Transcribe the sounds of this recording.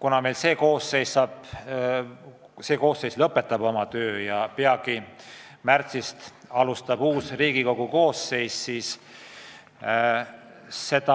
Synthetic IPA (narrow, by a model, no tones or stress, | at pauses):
kunɑme̞jlse̞ːko̞ːsːe̞jssɑːb̥ | se̞ːko̞ːsːejslɤpːˑe̞t̪ːˑɑb̥o̞mɑt̪øːjɑpeɑɡ̥i | mært̪sist̪ɑlust̪ɑb̥uːsriːɡiko̞ɡ̥uko̞ːsːe̞jssiːs | e̞d̪̥ɑ